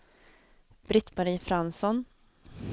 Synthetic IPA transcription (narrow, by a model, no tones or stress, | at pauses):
b̥ɾɪt̪ːmaɾiːfɾansɔn